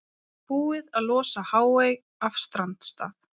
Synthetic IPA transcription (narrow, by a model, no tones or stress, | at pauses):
puːɪðaðlɔːsahaːwvejɣ | afst̪ɾant̪st̪a̰ːθ